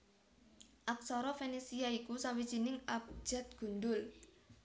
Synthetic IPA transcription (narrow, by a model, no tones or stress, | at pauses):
ʔak̚sɔɾɔfenisiaikusaŋwit͡ʃinɪŋap̚d͡ʒ̥ɛt̪̚ɡ̥ṳnd̪ʊl